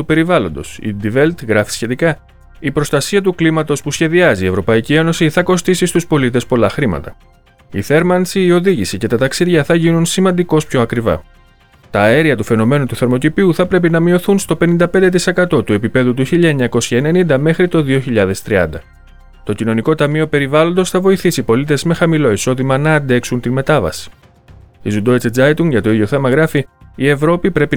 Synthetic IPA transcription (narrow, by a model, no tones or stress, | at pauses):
t̪upe̞ɾivɐlo̞nd̪o̞̰sḭd̪ivelt̪ɣɾɐfi̥sçe̞t̪ikɐ | ipɾo̞st̪ɐsiɐt̪uklimɐt̪o̞spusçe̞ðiɐzie̞vɾo̞pɐicie̞no̞siθɐko̞st̪isist̪uspo̞lit̪e̞spo̞lɐxɾimɐ̰t̪ɐ | ḭθe̞ɾmɐnsiːo̞ðiʝisice̞t̪ɐt̪ɐksiðʝɐθɐʝinunsimɐnd̪iko̞spço̞ɐkɾivɐ̰ | t̪ɐe̞ɾiɐt̪ufe̞no̞me̞nut̪uθeɾmo̞c̪ipiuθɐpɾe̞p̬inɐmio̞θunst̪o̞pe̞nind̪ɐpend̪e̞t̪ise̞kɐt̪o̞t̪ue̞pipe̞ðut̪uçiʎɐeɲɐko̞sçɐene̞nind̪ɐme̞xɾit̪o̞ðio̞çiʎɐðe̞st̪ɾiɐ̰nd̪ɐ | t̪o̞cino̞niko̞t̪ɐmio̞pe̞ɾivɐlo̞nd̪o̞sθɐvo̞iθisipo̞lit̪e̞zme̞xɐmilo̞iso̞ðimɐnɐːnd̪e̞ksunt̪inme̞t̪ɐvɐ̰si̥ | izud̪o̞it͡sd͡zɐjt̪uŋʝɐt̪o̞iðʝo̞θe̞mɐɣɾɐfiːe̞vɾo̞pipɾe̞pi